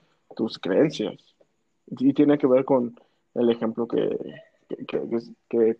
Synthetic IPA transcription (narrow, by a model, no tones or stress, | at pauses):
t̪uskɾeensja̰s | it̪jeneke̞βe̞ɾko̞n | elexe̞mplo̞kḛ | kekḛkeke